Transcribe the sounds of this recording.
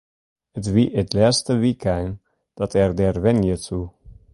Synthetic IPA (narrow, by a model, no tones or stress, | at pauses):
ətʋiʔətlɛːstəʋikɛn | d̥ɔtʰɛrdɛrʋɛnjətu